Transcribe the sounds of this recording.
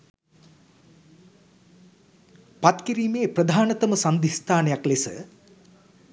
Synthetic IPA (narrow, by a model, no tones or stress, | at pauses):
pat̪kiɾiːmeːprəd̪ʱaːnɐt̪əməsand̪ʱist̪ʰaːnejaklesə̰